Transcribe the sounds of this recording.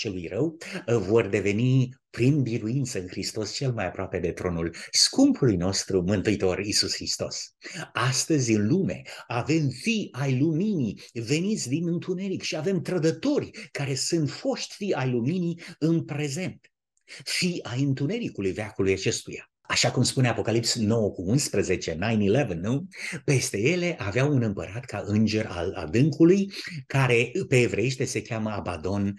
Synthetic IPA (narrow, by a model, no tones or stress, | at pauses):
t͡ʃe̞lujrəwvo̞rd̪e̞ve̞nipɾinbiɾuint̪səɨnxɾist̪o̞st͡ʃe̞lmajapɾoape̞d̪e̞t̪ɾo̞nulskumpulujno̞st̪ɾumɨnt̪uit̪o̞risusxɾist̪o̞̰sast̪əzʲɨnlume̞̰ave̞mfiajluminive̞nit̪sʲd̪inɨnt̪une̞ɾikʃiave̞mt̪ɾəd̪ət̪o̞rʲkaɾe̞sɨnt̪fo̞ʃt̪ʲfiajluminiɨnpɾe̞ze̞nt̪ | fiajɨnt̪une̞ɾikulujveakulujat͡ʃe̞st̪uja | aʃakumspune̞apo̞kalipsno̞wəkuunspɾəze̞t͡ʃe̞naj̃nilevənːupe̞st̪e̞je̞le̞ʔaveawunɨmpə̰ɾat̪ka̰ʔɨnd͡ʒe̞ɾa̰la̰d̪ɨŋkulujkaɾe̞pe̞ːvɾejeʃt̪e̞se̞kʲaməabad̪o̞n